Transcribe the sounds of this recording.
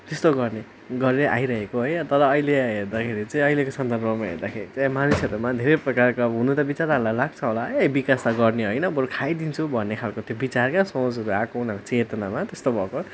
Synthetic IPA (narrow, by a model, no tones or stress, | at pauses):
t̪est̪oɡʌrne | ɡʌɾeleʔa̰jɾʌɦekoɦojʌt̪ʌɾʌːjleaɦerd̪akʰeɾit͡sʌĩʌjlekosʌnd̪ʱʌrbʌmaɦḛrd̪akʰeɾit͡samanisʌɾumad̪ʱeɾejprʌkarkaɦunut̪ʌbit͡saɾaɦlalaɡ̚t͡sʰʌɦolabikast̪aɡʌrneɦojnʌbʌɾukʰajd̪int͡sʰubʱʌnːekʰalkot̪jobit͡sarkasʌ̃d͡zʌɾuakʌunakt͡set̪ʌnamat̪est̪obʱʌko